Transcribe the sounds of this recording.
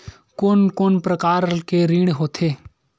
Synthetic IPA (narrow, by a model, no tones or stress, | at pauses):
koːnkoːnpɾəkaːɾkeɾiːɽ̃ɦoːt̪ʰeː